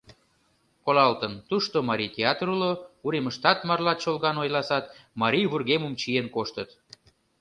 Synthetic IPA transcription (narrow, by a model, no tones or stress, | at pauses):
kolɑlt̪ənt̪uʃt̪omɑɾʲijt̪ʲeɑt̪ɾulouɾeməʃt̪ɑt̪mɑrlɑt̪t͡ɕolɣɑnojlɑsɑt̪mɑɾʲijβurɣemumt͡ɕienkoʃt̪ət̪